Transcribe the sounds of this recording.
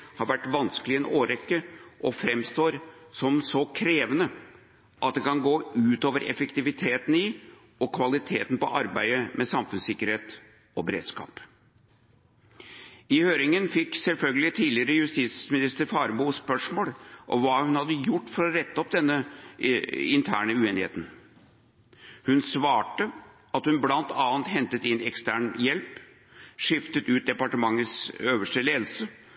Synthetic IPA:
hɑɾʋæʈːʋɑnskəlɪɛnoːɾɛkːəʔɔfɾɛmst̪oːɾsɔmsɔkʰɾeːʋənə | ʔɑt̪̚d̪ɛkɑnɡoːʉːt̪oːʋəɾʔɛ̰fɛkt̪ɪʋɪt̪ʰeːt̪n̩ɪ | ɔkʰʋɑlɪt̪ʰeːt̪n̩pɔ̰ʔɑɾbæɪəmʔɛsɑmfʉnsɪkːəɾheːt̪ | ɔbəɾḛːd̪skɑ̰ːp | ɪhøːɾɪŋənfɪkːsɛlfœlɡəlɪt̪ʰiːlɪəɾəjʉst̪iːsmɪnɪst̪əɾfɑːɾmuːspœʂmoːlʔɔ̰mʋɑːhʉnhɑd̪ːəjʊʈːfɔɾɔɾɛt̪ːəɔpd̪ɛnːə | ɪnt̪ʰæːɳəʉeːnɪhḛːt̪n̩ | hʉnsʋɑːʈə | ɑt̪hʉnblɑnt̪ʰɑːnt̪hɛnt̪ət̪ɪnːɛkst̪æːɳjɛlp | ʂɪft̪ət̪ʉːt̪̚d̪ɛpɑʈəmɑŋːət̪søːʋəʂʈəleːd̪l̩sə

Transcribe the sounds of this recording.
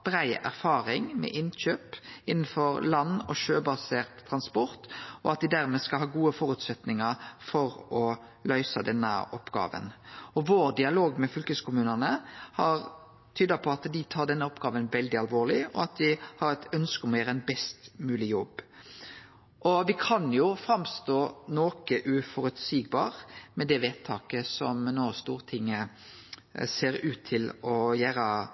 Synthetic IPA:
b̥ɾæɪæ̰ʁfɑːɾɪŋmɛ̰ʔɪnɕøːpɪnn̩fɔɾlɑnːɔ̰ʃøːbɑseːʁt̪ʰːɾɑnspɔʁt̪ɔɑt̪̚d̪ɪd̪æʁmeːskɑlɦɑːɡuːəfɔɾʉt̪sɛt̪nɪŋɑɾfɔɾɔ | lœʏsəd̪ɛnːə̰ɔpːɡɑ̰ːʋə̰nɔʋoːʁd̪ɪɑloːɡmɛfʏlkəskʰʊmʉːnənəhɑʁ | t̪ʰyːd̪ɑpʰɔɑt̪d̪ɪt̪ʰɑːɾd̪ɛnːəɔpːɡɑːʋənʋɛld̪ɪɑlʋoːʁlɪɔɑt̪ʋɪhɑɾɛt̪ʰœnskəɔmɔjæːɾəɛnbɛst̪mʉːlɪjɔb | ʔɔʋɪkʰɑnjʊfɾɑmst̪oːnoːkəʔʉfɔɾʉt̪siːɡ̚bɑːɾmɛd̪ɛʋeːt̪t̪ʰɑːkəsɔmnoːst̪uːʁt̪ʰɪŋːə | seːɾʉːt̪ʰːɪlɔjæːɾə

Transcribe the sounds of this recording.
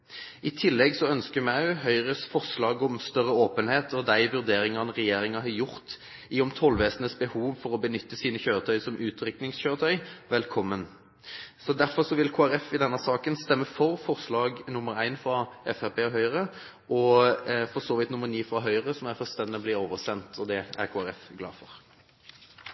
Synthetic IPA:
ɪt̪ʰɪlːɛɡsɔœnskəmæʉɦœʏʁəsfɔʁʂlɑːɡɔmst̪œɾːəoːpənheːt̪ʰɔd̪æɪʋʉʁd̪eːɾɪŋɑnəʁɛjeːɾɪŋɑɦɑjʊʁt̪ | iɔmt̪ʰɔlʋeːsənəsbəhuːʋfɔɾɔbənʏt̪ːəsiːnəçøːʁət̪ʰœʏsɔmʔʉːt̪ʰɾʏknɪŋsçøːɾət̪ʰœʏʋɛlkʰɔmːən | sɔd̪æɾfɔʁsɔʋɪlkʰoːæɾɛfɪd̪ɛnːɑsɑːkənst̪ɛmːəfɔɾfɔʁslɑːɡnʊməɾæɪnfɾɑʔɛfæpeːɔɦœʏʁə | ʔɔfɔʁsɔːʋɪt̪nʊmːəɾniːfɾɑɦœʏʁəsɔmæɾfœlst̪ɛnbliːɾoːʋəsɛnt̪ʰɔd̪ɛæ̰ʁkʰoːæɾɛfɡlɑ̰ːfɔʁ

